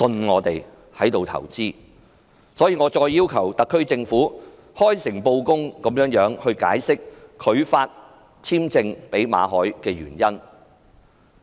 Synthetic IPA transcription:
sɵ˧nŋɔː˨˧t̪e˨j | hɐ˨˥jt̪o˨wt̪ʰɐ̰˨˩wt͡siː˥ | sɔː˨˥jiː˨˧ŋɔː˨˧t͡sɔː˧jːiː˥wkʰɐ˨˩wt̪ɐ˨kʰːɵ˥ɥt͡sɪ˧ŋfuː˨˥ | hɔː˥jsɪ˨˩ŋpo˧wkʊ˥ŋkɐ˨mjœː˨˥ŋjœː˨˥ŋhɵ˧ɥka̰ː˨˥jsɪ˥k̚kʰɵ˨˧ɥfaː˧t̚ | t͡sʰiː˥mt͡sɪ˧ŋpe˨˥jma̰ː˨˧ɦɔː˨˥jkɛː˧ɥyː˨˩njɐ˥n

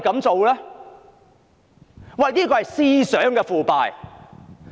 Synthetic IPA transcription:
jkɐ˨˥mt͡so˨wlɛː˥ | wɐ˨jniː˥kɔː˧hɐ˨jsiː˧sœː˨˥ŋkɛː˧fuː˨˩pa̰ː˨j

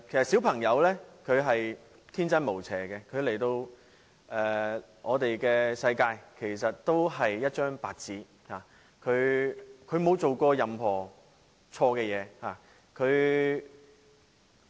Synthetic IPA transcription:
kʰjsɐ˨t̚si˨˥wpʰɐ˨˩ŋjɐ˨˧˥wlɛː˥kʰɵ˨˧ɥɦɐ˨j | t̪ʰiː˥nt͡sɐ˥nmo˨˩wt͡sʰɛː˨˩kɛ˧kʰɵ˨˧ɥle˨˩jt̪o˧w | ʔɛː˨ | ŋʔɔː˨˧t̪e˨jkɛː˧sɐ˧jkaː˧jkʰe˨˩jsɐ˨t̚t̪o˥wɦɐ˨jːɐ˥t̚t͡ʃœː˥ŋpaː˧t̚t͡siː˨˥ | haː˨˩ | kʰɵ˨˧ɥkʰɵ˨˧ɥmo˨˧wt͡so˨wkɔː˧jɐ˨mɦɔː˨˩ | t͡sʰɔː˧kɛː˧jɛː˨˧haː˨˩ | kʰɵ˨˧ɥ

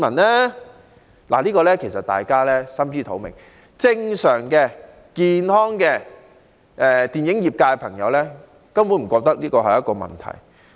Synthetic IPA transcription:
mɐ˨˩nɛː˥ | la̰˨˩liː˥kɔː˧lɛː˥kʰe˨˩jsɐ˨t̪a̰ː˨jkaː˥lɛː˥sɐ˥mjyː˥t̪ʰo˨˥wmɪ̰˨ŋ | t͡sɪ˧ŋsœː˨˩ŋkɛː˧ | kiː˧nhɔː˥ŋkɛː˧ | ʔɛː˧t̪iː˨njɪ˨˥ŋjiː˨p̚kaː˧ɛ˧pʰɐ˨˩ŋjɐ̰˨˧wlɛː˥ | kɐ˥mwu˨˥m̩˨˩kɔː˧k̚t̪ɐ˥k̚liː˥kɔː˧ɦɐ˨jɐ˦t̚kɔː˧mɐ̰˨nt̪ʰɐ̰˨˩j

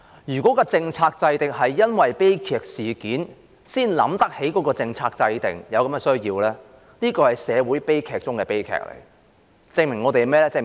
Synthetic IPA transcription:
jyː˨˩kʷɔː˨˥kɔː˧t͡sɪ˧ŋt͡sʰaː˧k̚t͡sɐ˧jt̪ɪ˨k̚hɐ˨jːɐ˥nwɐ˨jpe˥jkʰɛː˨k̚siː˨kiː˨˥n | siː˥nlɐ̰˨˧˥mt̪ɐ˥k̚he˨˥jkɔː˨˥kɔː˧t͡sɪ˧ŋt͡sʰaː˧k̚t͡sɐ˧jt̪ɪ̰˨ŋjɐ˨˧wkɐ˨˥mɛ˧sɵ˥ɥjiː˧wlɛː˥ | niː˥kɔː˧hɐ˨jsɛː˨˧wuː˨˥jpe˥jkʰɛː˨k̚t͡sʊ˥ŋkɛː˧pe˥jkʰɛ̰ː˨k̚lḛ˨˩ | t͡sɪ˧ŋmɪ˨˩ŋːɔː˨˧t̪e˨jmɛː˥lɛː˥t͡sɪ˧

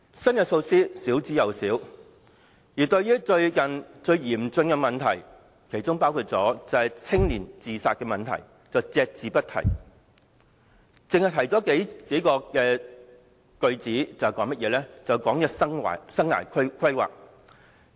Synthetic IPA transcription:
sɐ˥nkɛ˧t͡ʃʰo˧wsiː˥siː˨˥wt͡siː˨˥jɐ˨˩wsiː˨˥w | jiː˨˩t̪ɵ˧ɥjyː˥t͡ʃɵ˧ɥkɐ˨nt͡ʃɵ˧ɥjiː˨˩mt͡sɵ˧nkɛ˧mɐ˨nt̪ʰɐ˨˩j | kʰe˨˩jt͡sʊ˥ŋpaː˥wkʰuː˧t̚t͡sɔ̰ː˨˥t͡sɐ˨˧hɐ˨jt͡sʰɪ˥ŋliː˨˩nt͡siː˨saː˧t̚kɛː˧mɐ˨nt̪ʰɐ̰˨˩j | t͡sɐ˨wt͡sɛː˧k̚t͡siː˨pɐ˥t̚t̪ʰɐ̰˨˩j | t͡sɪ˨ŋhɐ˨jt̪ʰɐ˨˩jt͡sɔ˨˥ke˨˥jke˨˥jkɔː˧kɛː˧ | kɵ˧ɥt͡siː˨˥t͡sɐ˨hkɔː˨˥ŋmɐ˥t̚jɛː˨˧lɛː˥t͡sɐ˨˩wkɔː˨˥ŋjɐ˧sɐ˥ŋwa̰ː˨˩jsɐ˥ŋa̰ː˨˩jkʰkʰɐ˥jwa̰ː˨k̚

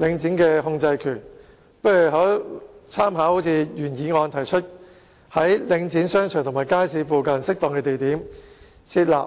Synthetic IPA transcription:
lɪ˨˧ŋt͡siː˨˥nkɛː˧hʊ˧ŋt͡sɐ˧jkʰyː˨˩n | pɐ˥jy˨˩ɦɔː˨˥t͡sʰaː˥mhaː˨˥ho˨˥t͡sʰiː˨˧jyː˨˩njiː˨˧ŋɔː˧nt̪ʰɐ˨˩jt͡ʃʰɵ˥t̚ | hɐ˨˥jlɪ˨˧ŋt͡siː˨˥nsœː˥ŋt͡ʃʰœː˨˩ŋt̪ʰŋmaː˨˩jkaː˥jsiː˨˧fuː˨kɐ˨nsɪ˥k̚t̪ɔː˨ŋkɛː˧t̪e˨jt̪iː˨˥m | t͡sʰiː˧t̚la̰ː˨p̚

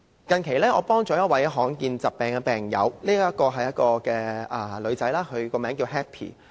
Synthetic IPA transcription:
kɐ˨nkʰe˨˩jlɛː˥ŋɔː˨˧pɔː˥ŋt͡sɔː˨˥jɐ˥t̚wɐ˨˥jɦɔː˨˥ŋkiː˧nt͡sɐ˨p̚pɛː˨ŋkɛ˧pɛː˨˩ŋjɐ̰˨˧wliː˥ɐ˥t̚kɔː˧ɦɐ˨jɐ˥t̚kɔː˧kɛː˧ʔɐ˨˩lɵ˨˧t͡sɐ˨˥jlaː˥kʰɵ˨˧ɥkɔː˧mɛː˨˥ŋkiː˧wɦɛː˥pʰḭː˨˩

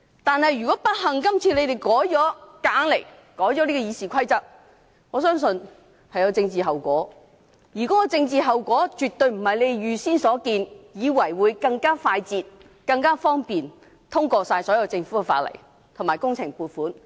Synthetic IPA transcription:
t̪aː˨˧nhɐ˨jɥy˨kɔː˨˦˥pɐ˥t̚hɐ˨ŋkɐ˥mt͡sʰiː˧le˨˧jt̪e˨˩jkɔː˨˥jt͡ʃɔː˨˥kaː˨˥ŋle˨˩j | kɔː˨˥jt͡ʃɔː˨˥liː˥kɔː˧jiː˨˧siː˨kʰɐ˥jt͡sɐ˥k̚ | ŋɔː˨˧sœː˥ŋsɵ˧n | hɐ˨jɐ˨˧wt͡sɪ˧ŋt͡siː˨ɦɐ˨wkʷɔ̰ː˨˥ | jiː˨˩kɔ˨˥kɔ˧t͡sɪ˧ŋt͡siː˨˧ɦɐ˨wkʷɔː˨˥t͡ʃyː˨t̪ɵ˧ɥm̩˨˩hɐ˨jle˨˧jjyː˨˧siː˥nsɔː˨˥kiː˧njiː˨˧wɐ˨˩jwuː˨˧jkɐ˧ŋkaː˥faː˧jt͡siː˨t̚ | kɐ˧ŋkaː˥fɔː˥ŋpiː˨n | t̪ʰʊ˥ŋkɔː˧saː˧jsɔː˨˥jɐ˨˧wt͡sɪ˧ŋfu˨˦˥kɛ˧fa̰ː˧t̚lɐ̰˨˩j | t̪ʰʊ˨˩ŋmaː˨˩jkʊ˥ŋt͡sʰɪ˨˩ŋpuː˨˩tfuː˨˥n

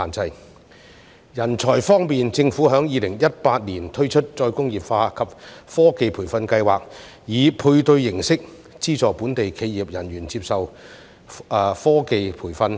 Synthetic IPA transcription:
aː˨˩nt͡sɐ˨j | jɐ˨˩nt͡sʰɔː˨˩jfɔː˥ŋmiː˨nt͡sɪ˧ŋfuː˨˥ɦœː˨˥ŋjiː˨˧lɪ˨˩ŋjɐ˥t̚paː˧t̚liː˨˩nt̪ʰɵ˥ɥt͡ʃʰɵ˥t̚t͡ʃɔː˧jkʊ˥ŋjiː˨˩p̚faː˧kʰɐ˨p̚fɔː˥ke˨jpʰuː˨˩jfɐ˧nkɐ˧jwaː˨k̚ | jiː˨˧˥pʰuː˧jt̪ɵ˧ɥːɪ˨˩ŋsɪ˥k̚ | t͡siː˥t͡sɔː˨puː˨˥nt̪e˨jkʰe˨˧jiː˨˩p̚jɐ˨˩nɥyː˨˩nt͡siː˧p̚sɐ˨w | fɔː˥ke˨˧jpʰuː˨˩jfɐ˧n

